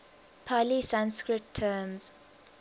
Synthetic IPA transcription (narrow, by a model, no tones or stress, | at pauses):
pʰalisãnskɹɪtʰːəːmz̥